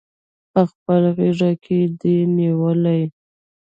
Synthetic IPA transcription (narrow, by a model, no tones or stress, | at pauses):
pəxpəlɣeʐakʰed̪eniwəlaj